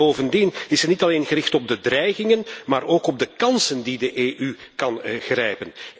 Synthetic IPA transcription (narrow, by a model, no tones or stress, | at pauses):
oːvəndinɪsənitɑleːnɣəɾɪxtɔb̚dədrɛjɣɪŋənmaːɾoːkɔb̚dəkɑnsəndidəʔeːʔykɑnɣrɛjpən